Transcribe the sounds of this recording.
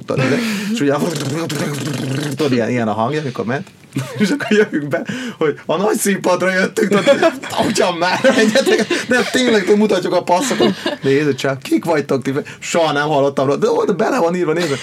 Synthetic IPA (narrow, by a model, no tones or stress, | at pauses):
t̪o̰nḛzɛeʃuɟɛ | t̪olijɛ̰nʔijɛnɒɦɒŋɡjɒmiko̞̰ɾmɛnt̪ | eʃɒkːoɾjøvyŋɡbɛho̞ɟɒnɒcsimpɒd̪rɒjøt̪ːyŋkt̪ot̪ucɒmːaːɾɛɛt̪ɛkɛt̪d̪ɛt̪eːɲlɛk̚t̪ømut̪ɒcːukɒpɒsːokot̪neːzit͡ʃɛkikʋɒc̚t̪ːok̚t̪iɛ | ʃoɦɒnɛmhɒlːot̪ːɒmɾoːd̪od̪ɛbɛlɛvɒniːɾvʋɒneːzʋɛ